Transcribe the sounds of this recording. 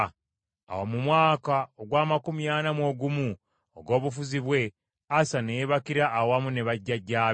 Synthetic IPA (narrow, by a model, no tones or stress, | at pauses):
a̰womumwaːkaoɡwaːmakumjaːnamwo̞ɡumu | o̰ɡo̞ːβufuziβwe̞ | asanejeβakiɾaʔːwamune̞βaɟːaɟːaː